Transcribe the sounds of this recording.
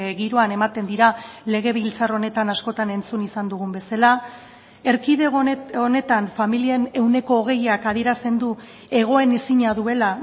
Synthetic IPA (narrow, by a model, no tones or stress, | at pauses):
ɣiɾoane̞mat̪e̞nd̪iɾale̞ɣ̞e̞β̞ilt͡saro̞ne̞t̪anasko̞t̪ane̞nt͡sunisand̪uɣ̞umbe̞sala | e̞ɾkiðeo̞ne̞t̪anfamilie̞ne̞wne̞ko̞ːɣ̞e̞jakað̞ie̞ɾast̪e̞nd̪u | e̞ɣ̞o̞e̞nisiɲaðue̞la